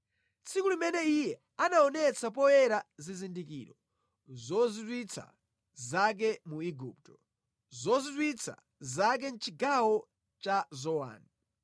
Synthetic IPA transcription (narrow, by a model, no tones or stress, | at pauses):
t͡sʰikulimɛnɛijɛ | anaɔnɛt͡sap̬ɔjɛɾazizindikḭːɾɔ | zɔzitwit͡sʰa̰ | zak̬ɛmuiɡṵp̚tɔ̥ | zɔzitwit͡sʰa̰ | zak̬ɛn̩t͡ʃiɡawɔ | t͡ʃazɔwa̰ːni